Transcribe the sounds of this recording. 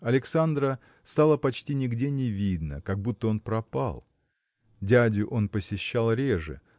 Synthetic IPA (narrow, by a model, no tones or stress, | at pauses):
ɐlʲɪksand̪ɾə | st̪alˠəpɐt͡ɕtʲinʲɪɡdʲenʲɪvʲid̪nə̰kɐɡ̚but̪ːəo̞npɾɐpa̰lˠ | dʲædʲʊʔo̞npəsʲɪɕːalˠɾʲeʐɨ̰